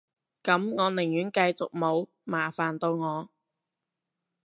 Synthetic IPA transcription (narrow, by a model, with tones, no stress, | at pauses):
kɐ˨˥mŋɔː˨˧nɪ˨˩ŋjyː˨˥nkɐ˧jt͡sʊ˨k̚mo˨˧w | maː˨˩faː˨˩nt̪o˧wŋɔː˨˧